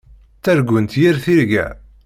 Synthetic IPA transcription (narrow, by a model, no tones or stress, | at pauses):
t͡sːæɾɡʷənt̪jiɾθiɾɡæ̰